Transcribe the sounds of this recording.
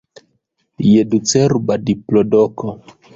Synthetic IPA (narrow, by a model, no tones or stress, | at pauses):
jedut͡seɾbadiplodoko